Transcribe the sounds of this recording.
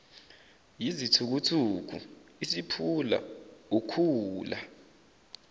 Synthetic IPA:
jizitʰuk̬utʰuk̬ṵisipʰula̰ukʰuːla̰

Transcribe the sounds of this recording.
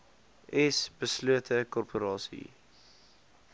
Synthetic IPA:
ʔɛsb̥əsluətʰəkɔrpʰoɾɑːsḭ

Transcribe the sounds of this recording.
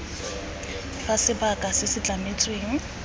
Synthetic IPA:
fasɪbakʼasɪsɪt͡ɬʼamet͡sʼweːŋ̩

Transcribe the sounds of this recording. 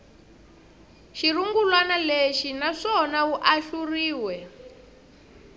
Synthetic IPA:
ʃiɾuŋɡulwanaleʃinaʂɔnauʔaʃuriːwɛ

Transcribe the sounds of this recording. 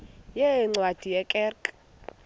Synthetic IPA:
jɛŋ͡ǀwad̥ʱijɛkʼɛrkʼ

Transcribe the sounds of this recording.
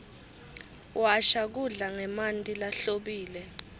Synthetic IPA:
waʃak̬uɮaŋɛmantʼilaɬoɓiːlɛ

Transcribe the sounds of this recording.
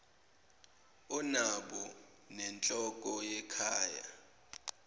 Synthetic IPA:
ɔnaɓɔ | nɛnt͡ɬʼɔk̬ʼɔjɛkʰaːja̰

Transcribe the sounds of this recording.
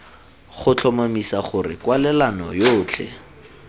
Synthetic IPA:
χʊt͡ɬʰɔmamisaχʊrɪ̰kwalɛlanɔ̰joːt͡ɬʰɛ̰

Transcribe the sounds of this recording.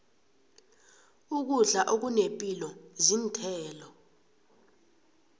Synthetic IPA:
uk̬uɮaʔok̬unepʼilɔzintʰɛːlɔ

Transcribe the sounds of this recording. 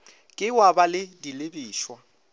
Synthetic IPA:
kʼɪwabalɪdilebiːʃwa

